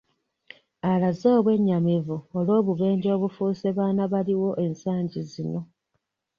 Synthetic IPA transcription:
alazo̞ːβwe̞ɲːamivuolo̞ːβuβe̞ːɲɟo̞ːβufuseβaːnaβaliwo̞ʔe̞nsaːɲɟizino̞

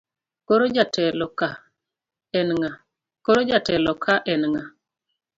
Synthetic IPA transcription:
koɾod͡ʒatʰɛlɔka | ɛnŋa | koɾod͡ʒatɛlɔkʰaʔɛnŋa

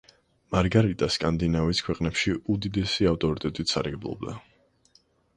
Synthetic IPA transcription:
maɾɡaɾit̪ʼaskʼand̪inaviskʰwɛqʼnɛpʃiud̪id̪ɛsiaft̪ʼɔɾit̪ʼɛt̪ʼit̪ʰsa̰ɾɡɛblˠɔ̰bd̪a

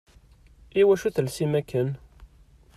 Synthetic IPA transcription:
iwæʃuθəlsimækːən

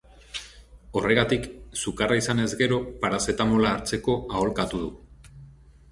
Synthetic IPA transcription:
o̞re̞ɣat̪iksukaraisane̞zɡe̞ɾo̞paɾase̞t̪amolaːɾt͡se̞ko̞ao̞lkat̪uðu

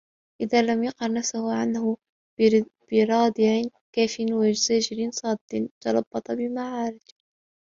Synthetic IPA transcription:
ʔɪðaːlamjɑqɑɾˤnafsahʊʕanhʊ | b̥ɪɾˤɑːd̪ɪʕɪ | kaːfɪnwad͡ʒzaːd͡ʒɪɾɪnsˤɑːd̪ːɪnt̪ɑlˤɑbːɑt̪ˤɑbɪmaʕɑːɾɪd͡ʒ

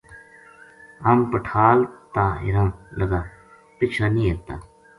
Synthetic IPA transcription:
ɐmpəʈʰaːlt̪ãːɪ̰ɾə̃mləɡaː | pɪt͡ʃʰaːnĩːet̪a̰ː

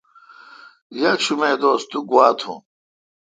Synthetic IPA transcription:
jɐt͡ɕʰumeːd̪oːst̪uɡwaːt̪ʰṵ̃

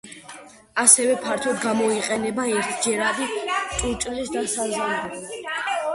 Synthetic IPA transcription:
asɛvɛpʰaɾt̪ʰɔd̪ɡamɔiqʼɛnɛbaɛɾt̪ʰd͡ʒɛɾad̪it̪ʼuɾt͡ʃ̪ʼlisd̪asazalɛl

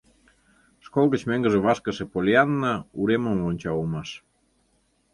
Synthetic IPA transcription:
ʃkolˠɣə̆t͡ɕmeŋɡə̆ʒĕβɑʃkə̆ʃĕpolʲiɑnːəuɾemə̆mlonʲt͡ɕɑumɑʃ

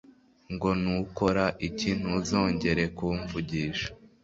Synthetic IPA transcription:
ŋɡo̞nuko̞ɾaʔicin̥huzo̞ːɲɟe̞ɾe̞kuɱvuɟiːʃḁ

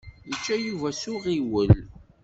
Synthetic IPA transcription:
ðət͡ʃːæjuvæsʊʁiwəl

